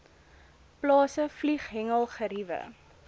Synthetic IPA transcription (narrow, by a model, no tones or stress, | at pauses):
plɑːsəfliχɦɛŋəlˠχəɾivə̰